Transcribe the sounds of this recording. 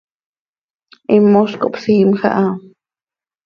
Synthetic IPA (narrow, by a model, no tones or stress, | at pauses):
ʔimːoʃko̰ʔpsiːmxa̰ʔa